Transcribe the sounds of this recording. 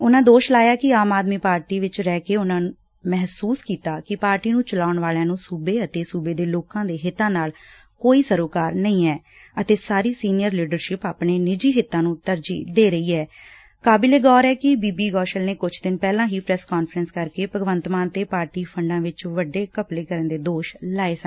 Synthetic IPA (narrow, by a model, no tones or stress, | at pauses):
ʊnãːd̪oːʃlaːjaːkɪaːmaːd̪miːpaːɾʈiːʋɪt͡ʃɾɛːkeːʊnãːnũ | mɛɦsuːskiːt̪aːkɪpaːɾʈiːnũːt͡ʃəlaːʊɳʋaːljãːnũːsuːbeːət̪eːsuːbeːd̪eːloːkãːd̪eːɦɪt̪ːãːnaːl | koːiːsəɾoːkaːɾnəĩːɛː | ət̪eːsaːɾiːsiːnɪjəɾliːɖəɾʃɪpaːpneːnɪd͡ʒiːɦɪt̪ːãːnũːt̪əɾd͡ʒḭːd̪eːɾəiːɛː | kaːbɪleːɡɔːɾɛːkɪbiːbiːɡɔːʃəlneːkʊt͡ʃʰd̪ɪnpɛːlãːɦiːpɾɛːskɔːnfəɾənskəɾkeːpəɡʋənt̪maːnt̪eːpaːɾʈiːpʰəɳɖãːʋɪt͡ʃʋəɖeːkəpleːkəɾənd̪eːd̪oːʃlaːeːsən